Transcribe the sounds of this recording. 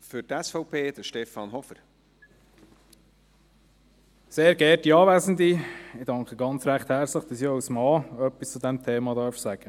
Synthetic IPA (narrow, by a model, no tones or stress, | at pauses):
fʏɾtɛsfɔʊpʰeːd̪̥əʃtɛfɑːnɦɔfəɾ | seːɾɡɛːɾtiɑːʋæzən̩d̪iɪd̥ɑŋkχəɡɑnt͡sɾæχt̪hɛɾt͡sləχd̥ɑsiɔwsmɑːœpːist͡sud̪ɛmt̪ʰeːmɑd̪ɑːɾfsæɡ̥ə